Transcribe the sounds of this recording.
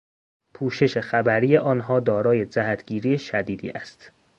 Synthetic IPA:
pʰuːʃe̞ʃe̞xæbæɾiːje̞ʔɒːnɦɒːd̪ɒːɾɒːje̞d͡ʒæɦæt̪ʰɡ̥iːɾijeʃæd̪iːd̪ḭːʔæst̪

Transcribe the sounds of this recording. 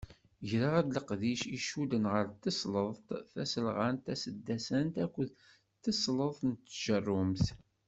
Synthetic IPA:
ʝɾaʁæd̪ləqðiʃiʃud̪ənʁəɾt̪ːəsləðˤt̪θæsəlʁant̪æsəd̪ːæsənt̪ækʷːəð | t̪ːəsləðˤt̪nt̪ːʒ̥ərˤːʊmθ

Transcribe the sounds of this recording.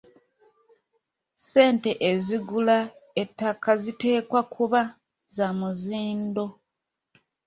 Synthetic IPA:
se̞ːnte̞ʔeziɡulaetːakazite̞ːkwakʰuβa | zamuziːndo̞

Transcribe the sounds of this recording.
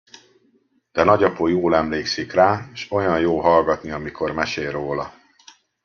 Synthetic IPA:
d̪̥ɛnɒɟɒpoːjoːlɛmleːksikraːʃo̞jɒnjoːɦɒlɡɒt̪niɒmikʰo̞rmɛʃeːlroːlɒ

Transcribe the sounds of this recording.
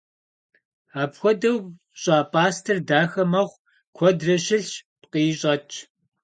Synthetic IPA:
aːpxʷɔdɐw | ɕʼaːpʼaːstʰɨrdaːxɐmɐʁʷ | kʷʰɔdrɐʃɪɬpqiːɕʼɐt͡ʃʰʼ

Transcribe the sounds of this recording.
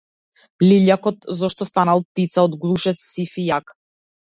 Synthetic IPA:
liʎakɔt̪zɔʃt̪ɔst̪analˠp̚t̪it̪saɔd̪ɡlˠuʃɛsːifijak

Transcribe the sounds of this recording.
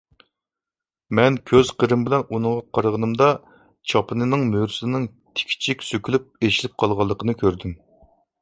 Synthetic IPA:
mɛnkʲʰøz̥qʰəɾɨmbɪlɛnunɨŋʁɑqʰɑɾʁənɨmd̪ɑ | t͡ʃʰɑpʰɨnɨnɨŋmøɾsnɪŋ | t̪ʰɪ̥kʲʰi̥t͡ʃʰikʲsøkʲʰylyp̚eʃilɪp̚qʰɑlˠʁɑlˠːəqʰənɨkʲʰøɾd̪ym

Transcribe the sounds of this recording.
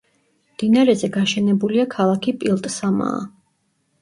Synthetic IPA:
md̪̥inaɾɛzɛɡaʃɛnɛbuliakʰalˠakʰipʼilˠt̪ʼsama̰ː

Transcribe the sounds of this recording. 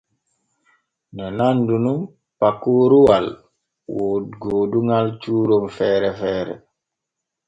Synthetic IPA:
nanandunum | pakːuɾuwal | wodɡooːduŋalt͡ʃuɾomfɛːɾɛfɛːɾɛ̰

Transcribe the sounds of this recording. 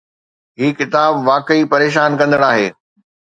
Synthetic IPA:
ɦiːkɪt̪aːbʋaːkəipɐɾeːʃ̬aːnkɐ̃nd̪əɽaːɦḛː

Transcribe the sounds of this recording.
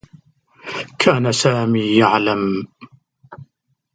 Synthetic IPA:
kʰaːnasaːmiːjaʕlam

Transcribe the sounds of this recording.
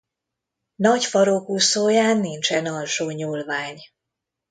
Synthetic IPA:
nɒcfɒɾokusoːjaːnːint͡ʃɛnɒlʃoːɲuːlvaːɲ

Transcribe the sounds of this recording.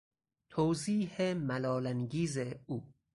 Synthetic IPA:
t̪ʰoːziːhemælɒːlæŋɡiːzeuː

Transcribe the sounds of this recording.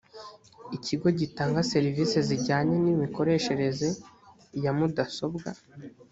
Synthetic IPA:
iciɡo̞ɟitaːŋɡase̞ɾiviːse̞ziɾɟaːɲe̞nimiko̞ɾe̞ːʃe̞ɾe̞ze | jamudaso̞bɡa̰

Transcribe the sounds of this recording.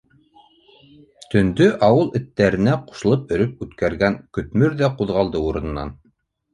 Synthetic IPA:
t̪ɵ̆nd̪ɵʔɑwɤlˠɘ̆t̪ːæɾɘ̆næqu̥ʃɤ̆lˠɤp̚ɵ̆ɾɵp̚ʉt̪kæɾɡæŋkɵ̆t̪mɵɾðæquðʁɑlˠd̪ɤuɾɤ̆nɤ̆nːɑ̰n

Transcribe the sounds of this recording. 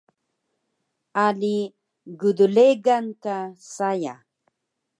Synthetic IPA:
ali | ɡuduleɡankasaja̰

